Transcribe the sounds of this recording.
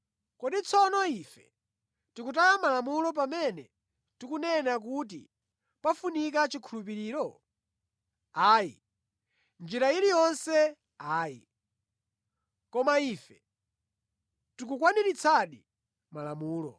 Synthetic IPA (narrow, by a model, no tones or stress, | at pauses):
kɔɗit͡sʰɔnɔifɛ̰ | tikut̬alamalamulɔp̬amɛnɛ | tikunɛnak̬ut̬ḭ | pafunikat͡ʃikʰulup̬iɾiːɾɔ | aːjḭ | nd͡ʒiɾailijɔnsɛ | aːjḭ | kɔmaifɛ | tikukwaniɾit͡sʰaɗi | malamuːlɔ̰